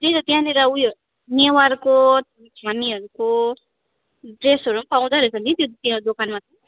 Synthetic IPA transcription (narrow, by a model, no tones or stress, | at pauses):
teɾʌt̪jãleɾaujo | newarko | kʰamiɦʌɾuko | ɖresʌɾumapaw̃d̪aɾʌt͡sʰʌnt̪it̪jot̪jãd̪okanmat͡sʌ